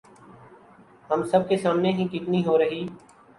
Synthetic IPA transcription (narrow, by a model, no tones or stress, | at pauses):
ɦəmsəb̚ʱkeːsaːmneːɦĩːkiʈniːɦoːɾəɦiː